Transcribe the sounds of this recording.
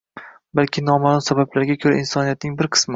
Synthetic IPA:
balkʲʰɪnɒmaːlˠʊmsabablaɾɡʲakʲʰɵɾa̰insɒnijat̪̚nɪŋbɪɾqʰɨ̥smɪ

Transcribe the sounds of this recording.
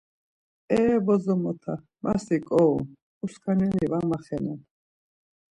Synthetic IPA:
ɛːbɔzɔmɔt̪ʰa | masikʼɔu | uskʰanɛlivamaχɛnɛn

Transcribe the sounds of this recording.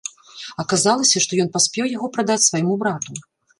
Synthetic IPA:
ɐkazalˠɐsʲɐʂt̪ɔjɔnpasʲpʲɛwjaɣɔpɾad̪at͡sʲsvajmubɾat̪u

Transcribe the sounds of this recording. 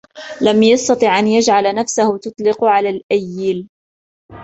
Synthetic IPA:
lamjɑst̪ɑt̪ˤiːʕʔanjad͡ʒʕalnafsahʊt̪ʊt̪ˤlɪqʕalaːlʔajːɪl

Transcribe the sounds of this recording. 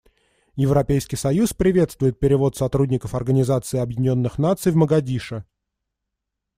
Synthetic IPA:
jɪvɾɐpʲejskʲɪjsɐjuspɾʲɪvʲe̞t̪st̪vʊjɪt̪̚pʲɪɾʲɪvo̞t̪sɐt̪ɾudʲnʲɪkəfɐrɡənʲɪzat̪sɨɪɐbjɪdʲɪnʲo̞nːɨxn̪at̪sɨjvməɡɐdʲiʂə

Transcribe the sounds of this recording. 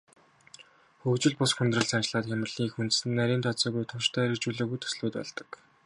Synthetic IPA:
xɵkt͡ɕɪ̆ɮpʊsxunt̪rə̆ɮsat͡ɕɪ̆ɮaːt̪xʲamə̆rɮ̥iːxunt̪sɘ̆nːæɾʲiːnt̪ʰɔt͡sɔːɣujt̪ʰʊʃt̪ʰœːeɾɘ̆kt͡ɕuːɮoːɣujt̪ʰɵ̥sɮuːt̪̚pæ̰ɮt̪ə̥̆k

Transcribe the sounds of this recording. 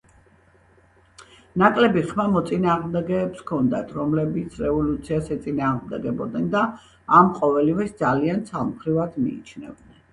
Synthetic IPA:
nakʼlɛbiχmamɔt̪sʼinaːʁmd̪ɛɡɛːpskʰɔnd̪a̰t̪ʰɾɔmlɛbit̪sʰɾɛvɔlut̪sʰiasɛt̪sʼinaːʁmd̪ɛɡɛbɔd̪nɛnd̪aː | mqʼɔvɛlivɛsd̪zaliant̪sʰamχɾivad̪mḭḭt͡ʃʰnɛ̰vd̪nɛn

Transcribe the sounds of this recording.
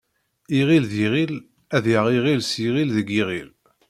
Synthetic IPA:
iʁilðiʁil | æðjəʁiʁilsiʁilðəɡiʁil

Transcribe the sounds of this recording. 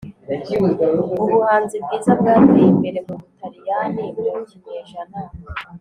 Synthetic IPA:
iuβuhaːnzibɡiːzabɡaːtembeɾemuβutʰaɾijanimiɾoɲiɲeːʒana

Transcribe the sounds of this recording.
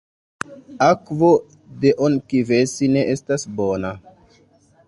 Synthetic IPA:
akvo | deʔonkivesine̞ʔestasbona

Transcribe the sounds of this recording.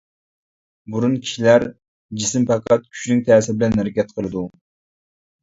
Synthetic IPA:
buɾunkʲʰi̥ʃilæɾ | d͡ʒisɪmpʰɑqʰɑt̪̚kʲʰy̥t͡ʃnɪŋt̪ʰæːsɪbɪlɛnhæɾɪkʲɛt̪̚qʰəlˠɨd̪u

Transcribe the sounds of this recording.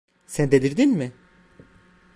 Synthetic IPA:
sænd̪eliɾd̪inmɪ

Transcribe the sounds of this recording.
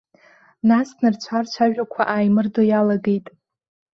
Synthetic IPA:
nasnɨrt͡ɕʷʰart͡ɕʷʰaʒᶣakʷʰaʔaːjmɨrdojalaɡe̞jtʼ

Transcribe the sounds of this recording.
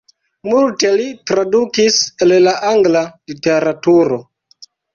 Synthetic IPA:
multe̞litɾadukisellaʔaŋɡlalite̞ɾatuɾo̞

